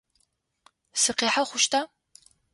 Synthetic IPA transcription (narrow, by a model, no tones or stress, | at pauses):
sɨqeːħaχʷʊʃtʰaː